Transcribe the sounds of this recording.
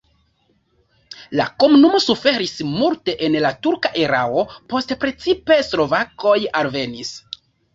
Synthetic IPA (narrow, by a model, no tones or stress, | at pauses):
la̰ko̞munumo̞sufe̞ɾismulte̞ʔenlatuɾkaʔeɾao̞po̞stpɾe̞t͡sipe̞slo̞vako̞jalve̞nis